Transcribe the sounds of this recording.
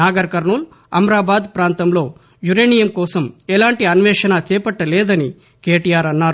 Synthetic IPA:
naːɡɐɾɐkɐɾɳuːl | ɐ̰mɾaːbaːd̪pɾaːnt̪ɐmlo̞ː | juɾeːnijɐmkɔːsɐmɛlaːɳʈiɐnʋɛːʂɐnat͡ʃɛːpɐʈːɐlɛːd̪ɐni | keːʈijaːɾɐnːaːɾu

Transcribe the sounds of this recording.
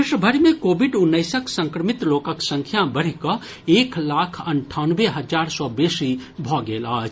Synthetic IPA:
ɪʃəbʱəɾmẽkoːbɪɖʊnːəɪsəksə̃ŋkɾəmɪt̪loːkəksə̃ŋkʰjabəɽ̤ikə | eːklaːkʰəɳʈʰaːnʋeɦəd͡ʒaːɾsɔbeːsibʱɔːɡeːlat͡ʃ

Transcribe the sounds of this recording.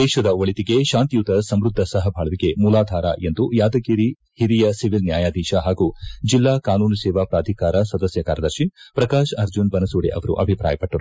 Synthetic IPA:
d̪ɛːʃɐd̪ɐʋɐɭit̪iɡe̞ʃaːnt̪ijut̪ɐsɐmɾud̪ʱːɐsɐɦɐbʱaːɭɐʋiɡe̞muːlaːd̪ʱaːɾa̰ːʔe̞nd̪ujaːd̪ɐɡiɾi | hiɾijɐsiʋilnjaːjaːd̪iːʃaɦaːɡud͡ʒilːaːkaːnuːnɐsɛːʋapɾaːd̪ʱikaːɾɐsɐd̪ɐsjɐkaːɾjɐd̪ɐɾʃipɾɐkaːʃɐɾd͡ʒunbɐnɐsuːɽḛʔɐ̰ʋɐɾṵʔɐ̰bʱipɾa̰ːjɐpɐʈːɐɾu

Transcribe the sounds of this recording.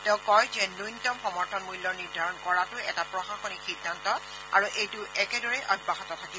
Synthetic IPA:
tɛʊ̃kɔjzɛnujnitɔmxɔmɔɹtʰɔnmulːɔɹniɹdʱaɹɔnkɔɹatʊɛtapɹɔxaxɔnixidʱːantɔ | a̰ɹuʔejtʊʔɛkɛdɔɹɛʔɔd̚baxɔtɔtʰaki

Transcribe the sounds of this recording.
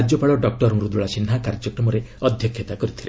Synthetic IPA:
ɾd͡ʒɔpaɭɔɖɔk̚ʈɔɾɔŋɾud̪ɾuɭasinɦakaɾd͡ʒɔkɾɔmɔɾeɔd̪ʱjɔkʰjɔt̪akɔɾit̪ʰile

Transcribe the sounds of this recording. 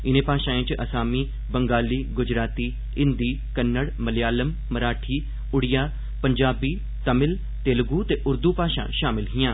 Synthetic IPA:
ɪnẽːpaːʃãːẽːt͡ʃʔəsaːmiː | bəŋɡaːliːɡʊd͡ʒɾaːt̪iː | ɪ̃nd̪iː | kənːəɽməlɪjaːləmːəɾaːʈʰiː | ʊɽɪjaː | pəɲd͡ʒaːbiː | t̪əmɪl | t̪eːlɡuːt̪eːʔʊɾd̪uːpaːʃã̰ːʃaːmɪlɦɪjãː

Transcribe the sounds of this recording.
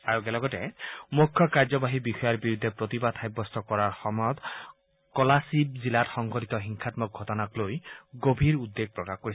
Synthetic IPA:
aɹuɡɛlɔɡɔtɛmukʰːjɔkaɹzɔbaɦibixɔjaɹbiɹud̪ʱːɛpɹot̪ibad̪ʰajbːɔstɔkɔɹaɹxɔmɔjɔt̪ | kɔlasibzilatxɔŋɡʱɔtit̪ɔxiŋkʰatmɔk̚ɡʱɔtɔnaklojɡobʱiɹud̪ːeɡ̚pɹɔkaxkoɹis

